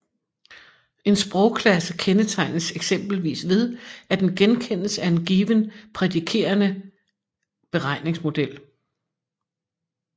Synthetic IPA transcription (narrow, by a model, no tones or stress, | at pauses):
e̝nsb̥ʁɔʊkʰlæsəkʰenət͡sʰɑ̈ɪ̰nəseɡ̥sem̰b̥l̩ʋḭːsʋe̝ð̞ˠæd̥enɡ̥enkʰen̰əsəæe̝nɡ̥iːʋənpʰʁɛdikʰe̝̰ːɐnə | b̥e̝ʁɑ̈ɪ̰ne̝ŋsmo̝d̥el̰